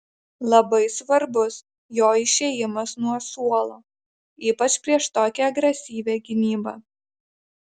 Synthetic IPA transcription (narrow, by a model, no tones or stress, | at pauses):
lˠɐbɐɪsʋɐɾbʊs | joːɪʃʲejɪmɐsnuɔsuɔlˠoː | iːpɐt͡ʃʲpʲɾʲiɛʃt̪oːkʲɛɐɡɾʲɛsʲiːʋʲɛɡʲɪnʲiːbɐ̰ː